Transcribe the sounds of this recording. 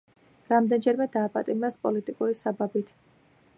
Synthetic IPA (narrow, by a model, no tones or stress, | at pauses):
ɾamd̪ɛnd͡ʒɛɾmɛd̪aːpʼat̪ʼimɾɛspʼɔlit̪ʼikʼuɾisababit̪ʰ